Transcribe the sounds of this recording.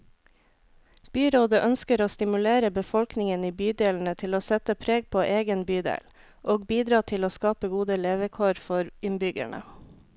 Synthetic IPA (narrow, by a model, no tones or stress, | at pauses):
b̥yːɾoːd̪əʔœnskəɾoːst̪ɪmʉleːɾəbəfɔlknɪŋəniːbyːd̪eːln̩ət̪ʰɪloːsɛt̪əpʰɾeːɡ̚pʰoːʔeːɡənbyːd̪ḛːl | ʔoːɡbiːd̪ɾɑːt̪ʰɪloːskɑːpəɡuːd̪əleːʋəkʰoːɾfɔɾɪnbʏɡæ̰ɳə̰